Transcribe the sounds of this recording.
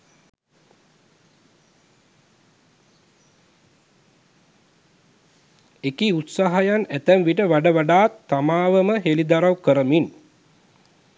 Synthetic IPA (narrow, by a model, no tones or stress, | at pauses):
ekiut̪saɦajanæt̪æmʋiʈəʋaɖəʋaɖaːt̪ːamaːʋəməɦelid̪aɾawkəɾəmin